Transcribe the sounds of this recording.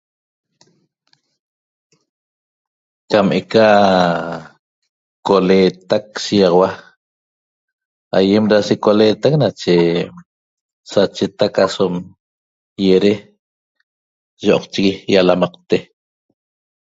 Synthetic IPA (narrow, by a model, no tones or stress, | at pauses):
kamʔeka | koleːt̪ak̚sijɑʁɑwa | ajemɾasekoleːt̪aknat͡ʃe | sat͡ʃet̪akasom | jeɾe | ʒoʔɔqt͡ʃiɣijalamɑq̚t̪e